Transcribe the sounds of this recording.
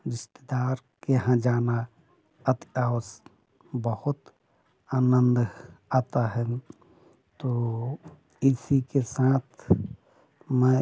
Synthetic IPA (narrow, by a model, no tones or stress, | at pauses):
ɾɪst̪ed̪aːɾ | keɦãd͡ʒaːna | ət̪as | bəhʊt̪ | aːnənd̪aːt̪aɦɛ | t̪o | isikesaːt̪ʰ | mɛ̃